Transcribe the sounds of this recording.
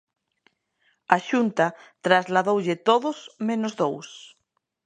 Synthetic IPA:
aʃunt̪at̪ɾazlaðowʎɪt̪oðʊsmẽnʊzðows

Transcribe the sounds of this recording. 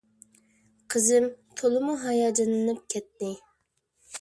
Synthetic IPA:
qʰəzɪmt̪ʰolˠɨmuɦɑjɑːd͡ʒɑnɨnɨp̚kʲʰɛt̪ːɪ

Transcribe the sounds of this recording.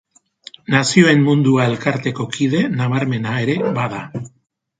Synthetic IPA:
nasio̞e̞mmund̪uae̞lkaɾt̪e̞ko̞kið̞e̞naβaɾme̞nae̞ɾe̞βaða

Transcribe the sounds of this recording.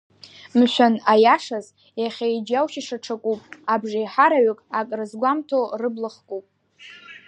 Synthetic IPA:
mʃʷᶣanajaʂaz | jaχʲajd͡ʒawʃiʂaʈ͡ʂʰakʷʼupʼabʐajħaɾaɥʏkʼakʼrɨzɡʷamtʰorɨblɨχkʼupʼ

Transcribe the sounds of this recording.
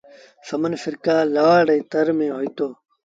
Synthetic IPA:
sɐmənfɪɾkaːlɐʋaːɽɐit̪ɐɾmẽːɦoːit̪oː

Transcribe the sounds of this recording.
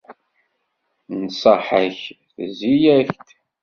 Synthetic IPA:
nsəħəç | θəzijæçt̪

